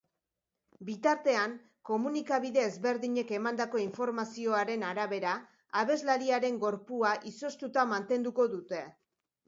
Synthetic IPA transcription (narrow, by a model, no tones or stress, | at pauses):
bit̪aɾt̪e̞aŋ | ko̞munikaβ̞iðe̞ːzβe̞ɾðiɲe̞ke̞mand̪ako̞iɱfo̞ɾmasio̞aɾe̞naɾaβe̞ɾaː | βe̞zlaɾiaɾe̞ŋɡo̞ɾpuaʔiso̞st̪ut̪amant̪e̞nd̪uko̞ðut̪e̞